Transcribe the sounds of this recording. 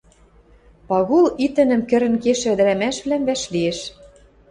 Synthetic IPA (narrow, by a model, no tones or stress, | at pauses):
pɑɣulit̪ɘ̆nɘ̆mkɘ̆ɾɘ̆nkeʃɘ̆d̪ɘ̆ɾæmæʃβlæmβæʃlieʃ